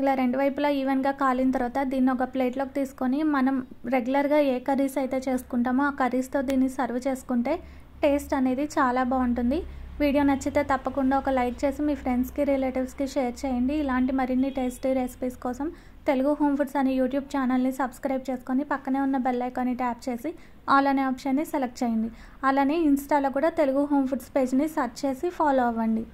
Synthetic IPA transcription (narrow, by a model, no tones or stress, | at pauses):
ilaːɾe̞ɳɖuʋɐjploːiːʋenɡaːkaːlint̪̬ɐɾʋaːt̪ɐd̪iːnːiɔkɐpleːʈlo̞ːkit̪iːsu̥ko̞nimɐnɐmɾe̞ɡjulɐɾɡaːeːkɐɾiːsɐjt̪e̞ːt͡ʃe̞ːsu̥kuɳʈaːmuaːkɐɾist̪o̞ːd̪iːnːisɐɾʋɐt͡ʃe̞ːsu̥kuɳʈe̞ː | ʈeːsʈɐne̞ːd̪it͡ʃaːlaːbaːuɳʈund̪iʋiːɽijoːnɐt͡ʃːit̪eːt̪ɐpːɐkuɳɖaːɔkɐlɐjʈ̚t͡ʃe̞ːsimiːpʰɾe̞ɳɖskiɾileːʈiʋskiʂeːɾt͡ʃeːjɐɳɖiːlaːɳʈimɐɾinːiʈeːsʈiɾesi̥piːskɔːsɐm | t̪e̞luɡuɦo̞ːmpʰuɖsɐnijuːʈjuːb̚t͡ʃaːnɐlnisɐbskɾɐjb̚t͡ʃe̞ːsu̥konipɐkːɐne̞ːunːɐbelːɐjkɐniʈaːp̚t͡ʃe̞ːsi | aːlɐneːaːpʂɐnːiselɐk̚ʈt͡ʃeːjind̪i | ɐlaːneːinsʈaːlo̞ːkuːɽaːt̪e̞luɡuɦo̞ːmpʰuɖspe̞ːd͡ʒnisɐɾʈt͡ʃe̞ːsipʰaːloːɐʋɐɳɖi